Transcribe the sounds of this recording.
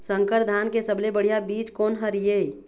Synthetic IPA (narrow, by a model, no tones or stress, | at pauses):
sə̃ŋkəɾd̪ʱaːnkesəblebəɽ̤ijabiːt͡ʃkoːnɦəɾijei